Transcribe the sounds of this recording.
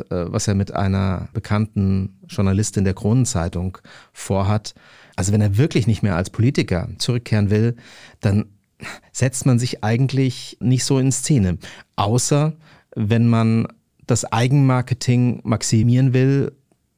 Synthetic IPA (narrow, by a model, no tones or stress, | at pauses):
ʔɛ̰ːva̰seːɐmɪtʔa̰ɪnɐ̰b̥əkʰantn̩ʒ̥ʊɐnalɪstɪndeːɐkʁ̥oːnənt͡saɪtʊŋfoːɐɦat | ʔalzovɛneːɐvɪɐklɪçnɪçtmeːɐʔa̰lspʰoliːtɪkɐ̰t͡suʁ̞ʏkʰːeːʁ̞ənvɪld̥an | z̥ɛt͡stmanzɪçʔaɪɡŋ̩tlɪçnɪçtz̥oːɪnst͡seːnəʔaʊsɐ | vɛnman | d̥asʔa̰ɪɡŋ̩maɐkətʰɪŋmaksimiːʁənvɪl